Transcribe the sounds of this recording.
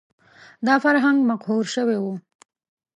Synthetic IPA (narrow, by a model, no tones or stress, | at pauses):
d̪ɑfaɾɦaŋɡmaqɦuɾʃəwewu